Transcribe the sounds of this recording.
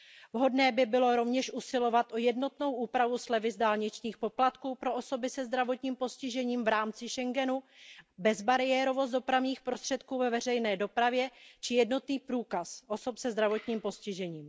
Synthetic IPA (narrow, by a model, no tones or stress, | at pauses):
vɦo̞dnɛːbɪbɪlo̞ɾo̞vɲɛʃʔusɪlo̞vat̪ʔojɛdno̞t̪no̞wʔuːpɾavuslɛvɪzdaːlɲɪt͡ʃɲiːxpo̞plat̪kuːpɾo̞ʔoso̞bɪsɛzd̪ɾavo̞t̪ɲiːmpo̞scɪʒɛɲiːmvɾaːmt͡sɪʃɛŋɡɛnubɛzbaɾɪjɛːɾo̞vo̞st̪do̞pɾavɲiːxpɾo̞st̪r̥ɛt̪kuːvɛvɛr̝ɛjnɛːdo̞pɾavjɛt͡ʃɪjɛdno̞t̪niːpɾuːkasʔo̞so̞psɛzd̪ɾavo̞t̪ɲiːmpo̞scɪʒɛɲiːm